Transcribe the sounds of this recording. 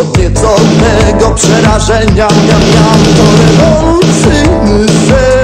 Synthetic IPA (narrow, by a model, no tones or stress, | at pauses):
vʲɛt̪sɔd̪nɛ | ɡɔpʂɛɾaʐɛɲaɲamʲjawt̪ɔɾɛvɔlut̪si | n | zɛ